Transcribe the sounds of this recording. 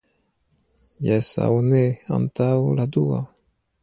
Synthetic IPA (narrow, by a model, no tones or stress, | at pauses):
jasa̰wnea̰nt̪awlad̪ua̰